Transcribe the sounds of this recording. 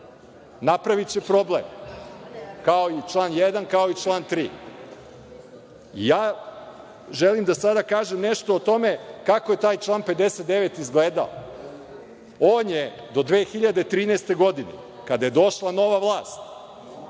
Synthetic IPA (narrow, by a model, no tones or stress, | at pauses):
napɾaʋit͡ɕepɾo̞blḛm | kao̞it͡ʃlˠaːnjed̪ankao̞it͡ʃlˠaːnt̪ɾiː | ḭjaː | ʒelimd̪asad̪akaːʒemneʃt̪oːt̪o̞mekako̞je̞t̪aːjt͡ʃlˠaːnpe̞d̪eset̪̚d̪e̞ʋet̪izɡleːd̪a̰o̰ | oːnje | d̪o̞d̪ʋeːxiʎad̪e̞t̪ɾiːnɛst̪e̞ɡo̞d̪inḛ | kad̪aje̞d̪o̞ʃlˠano̞ʋaʋlˠaːst̪